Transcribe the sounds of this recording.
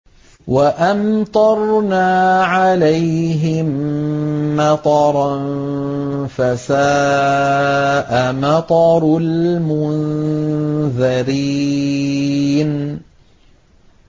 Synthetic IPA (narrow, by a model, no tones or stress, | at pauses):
waʔamt̪ˤɑɾˤnaːʕalajɦɪmː | ɑt̪ˤɑɾˤn | fasaː | ʔamɑt̪ˤɑɾlmʊn | ðaɾi | n